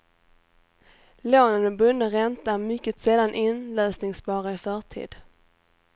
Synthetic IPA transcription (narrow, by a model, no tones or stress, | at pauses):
loːnənbɵnːəɾɛnt̪amʏkːət̪sɛːd̪anʔɪnløːsnɪŋsbɑːɾaɪfœːʈʰḭːd̪̥